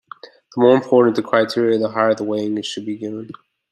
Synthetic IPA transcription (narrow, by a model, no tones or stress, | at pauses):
ðəmɔɹɨ̃mpʰɔɹʔn̩tʰɨkʰɹ̥aɪtʰɪɹiɨðəɦɑɹðəweɪɪ̃ŋɨʃɨd̚biɡɪvə̃n